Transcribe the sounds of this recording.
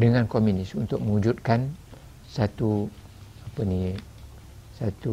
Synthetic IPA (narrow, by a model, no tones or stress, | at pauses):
dəŋãnkomjunɪsunt̪ʊk̚mə̃ud͡ʒut̪̚kan | sat̪u | apəni | sat̪u